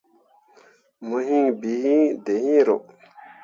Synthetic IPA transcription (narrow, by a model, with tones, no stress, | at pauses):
mo˨ɦi˦ŋbi˨hĩ˦d̪e˨hĩ˦ɾo˨